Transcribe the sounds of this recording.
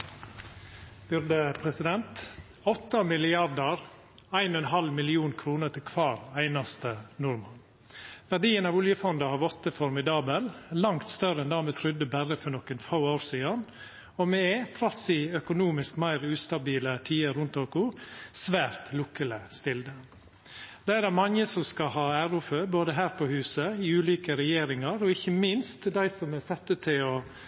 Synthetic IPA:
b̥ʏɾd̪əpʰɾɛsɪd̪ɛnt̪ | ɔt̪ːɑmɪlɪɑɾd̪əɾ | æɪnɔɛnɦɑlmɪlɪuːnkʰɾuːnət̪ʰɪlkʰʋɑːɾæɪnɑst̪ənʊɾmɑn | ʋæɖiːənɑːʋɔljəfɔnd̪ɑhɑːʋɔt̪ːəfɔɾmɪd̪ɑːbəllɑŋt̪st̪œɾəɛnd̪æːɾmɛːt̪ʰɾʏd̪əbæɾəfɔɳɔkːənfoːaʊɾsiːɑn | ɔmɛɛt̪ʰɾɑsɪœkʊnuːmɪskmæɪɾʉːst̪ɑbiːlət̪ʰiːəɾʊnt̪oːkʊsʋæːɾt̪lʊkːələst̪ɪld̪ə | d̪̥ɛæd̪æmɑŋəsɔmskɑhɑːæɾʊføːboːd̪əɦæːɾpʰɔhʉːsəɪʉːliːkəɾɛjeːɾɪŋɑɾɔɪçːəmɪnst̪d̪æɪsɔmɛsɛt̪ːət̪ʰɪlɔ

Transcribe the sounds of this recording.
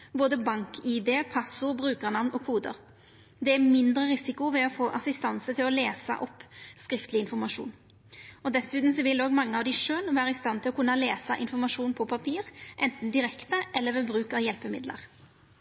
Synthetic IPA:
boːd̪əbɑŋkʰɪd̪eːpʰɑsʊbɾʉːkəʁnɑʋnɔːkʰuːd̪ə̰ɾ | d̪ɛæmɪnd̪ɾəɾɪsɪkʊʋɛɔfoːʔɑsɪst̪ɑnsət̪ʰɪlɔleːsɑ̰ʔɔpːskɾɪft̪lɪɪnfɔɾmɑʂṵːn | ɔd̪ɛsʉːt̪n̩sɔʋɪloːɡmɑŋːəɑʋd̪ɪʂøːlʋæːɾəɪst̪ɑnt̪ɪlɔkʰʉnːɑleːsɑʔɪnfɔmɑʂuːnpʰɔpʰɑpʰiːɾʔɛnt̪n̩d̪ɪɾɛkt̪əʔɛlːəʋɛbɾʉːkɑʋjɛlpəmɪ̰d̪lə̰ʁ

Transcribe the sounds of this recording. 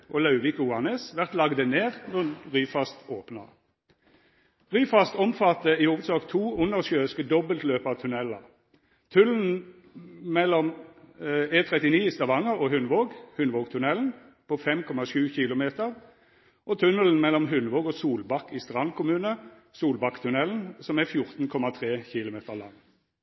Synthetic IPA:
ʔolɑʉʋɪkuɑnəsʋæʁt̪lɑɡd̪əneːʁnɔʁyːfɑst̪oːpnɑ̰ | ʁyːfɑst̪ɔmfɑt̪ːəihuːʋəd̪sɑːkt̪ʰuːʊnəʁʃøːskəd̪ɔbəlt̪løːpəɑt̪ʰʉnɛlɑ | t̪ʰʉln̩ | mɛlɔm | eːt̪ʰʁɛt̪ɪniːst̪ɑʋɑŋːəʁoɦʉnʋoːɡhʉnʋoːɡt̪ʰʉnɛln̩ | pʰofɛmkʰɔmɑʃʉːçɪlʊmeːt̪əʁ | ʔoːt̪ʰʉnəln̩mɛlːɔmɦʉnʋoːɡoːsuːlbɑkːist̪ʁɑnkʰʊmʉːnə | suːlbɑkːt̪ʰʉnɛln̩sɔmæfjʊʁt̪n̩kʰɔmɑt̪ʰʁeːçɪlʊmeːt̪əʁlɑŋ

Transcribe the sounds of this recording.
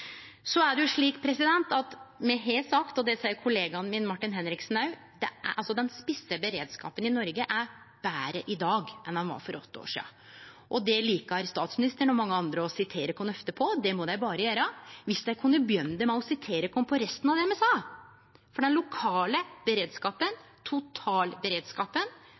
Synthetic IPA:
sɔæɖɛjʊʂɭiːkpʰɾɛsɪd̪ɛnt̪ɑt̪mɛɦesɑkt̪ɔd̪ɛsɛjəkʰʊleːɡɑnmɪnmɑʈːɪnɦɛnɾɪksnɑʉ | d̪ɛʔɑlsɔd̪ɛnspɪsːəbəɾeːd̪skɑ̰ːpənɪnɔɾɡəʔæɾ | b̥æːɾəʔɪd̪ɑːɡʔɛnhɑnʋɑ̰ɾfɔɾɔ̰t̪ːəo̰ːʂḭːɑ̰ | ʔɔd̪ɛliːkɑɾst̪ɑːt̪smɪnɪst̪əɳɔmɑŋːəɑnd̪ɾəɔsɪt̪ʰeːɾəkʰʊnːəhft̪əpʰɔd̪ɛmɔd̪æɪbɑːɾəjøːɾəʋɪsd̪æɪkʰʉnːəbjœnːd̪əmæɔsɪt̪ʰeːɾəkʰɔmpʰɔɾɛst̪ənɑʋd̪ɛɛmɛsɑː | fɔɖɛnlʊkʰɑːləbəɾeːd̪skɑːpən | t̪ʰʊt̪ʰɑːlbəɾeːd̪skɑːpən

